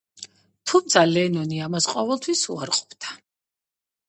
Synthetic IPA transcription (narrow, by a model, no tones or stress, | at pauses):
t̪ʰumt̪sʰalɛnɔniamasqʼɔvɛlˠt̪ʰwisṵaɾqʼɔ̥bd̪̥a